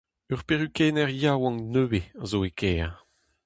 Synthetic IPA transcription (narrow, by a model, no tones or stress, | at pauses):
œʁpeʁykɛːnɛʁjawɑ̃ŋnøːweazoekʰɛː